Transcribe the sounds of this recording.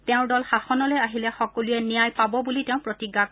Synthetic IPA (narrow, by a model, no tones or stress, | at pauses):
tɛʊ̃dɔlxaxɔnɔlejaɦilɛxɔkɔluɛnijajpabɔbulitɛʊ̃pɹotiɡa